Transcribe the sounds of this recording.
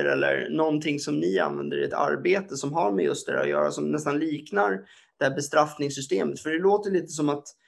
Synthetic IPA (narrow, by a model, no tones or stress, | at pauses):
əɾɛlːə̰ɾnɔnt̪ʰɪŋːsɔmnɪa̰nvɛnd̪əɾɪɛt̪ʰa̰ɾbeːt̪əsɔmɦaɾmɛjɵst̪̚d̪ɛhæ̰ʊ̰jœ̰ːɾa̰sɔmnɛst̪anliːknaɾ | d̪̥ɛhæːɾbɛst̪ɾafnɪŋsʏst̪eːmət̪fœɖɛloːt̪əjɭiːt̪əs̬ɔmat̪